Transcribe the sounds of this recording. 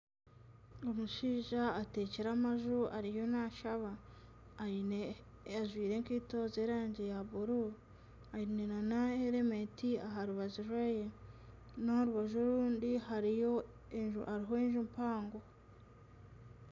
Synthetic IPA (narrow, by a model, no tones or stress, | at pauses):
omuʃiːʒaːte̞ceɾamaʒuaɾijo̞naʃaβa | aʒwiːɾe̞ŋkiːto̞ze̞ɾaːɲɟejaβuɾu | ajineɾanaeɾemetiaɦaɾuβaʒuɾweje | noɾuβaʒoɾuːndiɦaɾijo | aɾiɦo̞eɲʒumpaːŋɡo